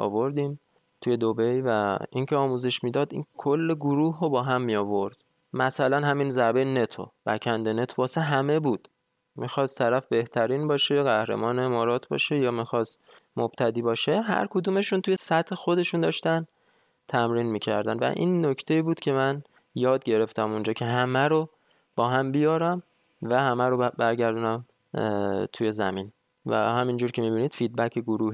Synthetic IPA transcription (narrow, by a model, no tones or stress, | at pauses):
ʔɒ̰ːvo̞ɾd̪iːm | t̪ʰuje̞d̪obe̞jvæincʰeɒːmuːzeʃmiːd̪ɒːd̪ḭːnkʰolːeɡoɾuːɦobɒːɦæmːijɒːvo̞ɾd̪̥ | mæsælænɦæminzæɾbe̞jne̞t̪ʰo̰b̥æcʰænd̪ene̞t̪ʰobɒːseɦæme̞buːd̪̥ | mixɒːst̪ʰːæɾæfbe̞ht̪ʰæɾiːnbɒːʃeɣæhɾe̞̰mɒːneemɒːɾɒːt̪ʰbɒ̰ːʃejɒːmixɒst̪ | mob̥t̪ʰæd̪iːbɒːʃe̞ɦæ̰ɾkʰod̪uːme̞ʃunt̪ʰuje̞sæt̪he̞xo̞d̪e̞ʃund̪ɒ̰ːʃt̪æn | t̪ʰæmɾiːnmiːcʰæɾd̪æ̰nvæ̰ʔḭːnːocʰt̪ʰe̞iːbuːd̪̥cʰe̞mæn | jɒːd̪̚ɟe̞ɾe̞ft̪æmond͡ʒɒːcʰe̞ɦæmæɾo | b̥ɒːɦæmbijɒːɾæm | væhæmæɾobæɾɟæɾd̪unæm | t̪ʰuje̞zæ̰miːn | væ̰hæmind͡ʒuːɾkʲʰe̞miːbiːniːd̪fid̪̚bæcʰeɡoɾuːhi